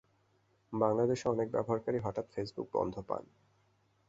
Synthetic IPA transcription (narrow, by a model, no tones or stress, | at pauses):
baŋlad̪eʃɔnek̚bɛ̰boɦaɾkaɾiɦɔʈat̪fesbṵk̚bɔ̰nd̪ʱopa̰n